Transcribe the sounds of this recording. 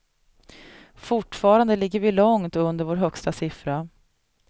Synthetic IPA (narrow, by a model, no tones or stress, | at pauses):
fʊʈfɑːɾand̪əlɪɡːəɾvɪlɔŋt̪ɵnd̪əɾvoːɾɦœkst̪asɪfɾa